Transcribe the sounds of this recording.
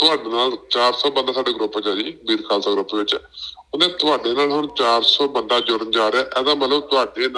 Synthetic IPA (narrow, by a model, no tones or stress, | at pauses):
t̪ʊaːɖeːnaːlt͡ʃaːɾsɔːbənd̪aːsaːɖeːɡɾʊpːd͡ʒaːd͡ʒiːbiːɾkaːlt̪aːɡɾʊpːʋɪt͡ʃɛ̰oːnẽːt̪ʊaːɖeːnaːlɦʊɳt͡ʃaːɾsɔːbənd̪aːd͡ʒʊɽənd͡ʒaːɾɛːʔɛːd̪ãːmət̪ləbt̪ʊaːɖeːn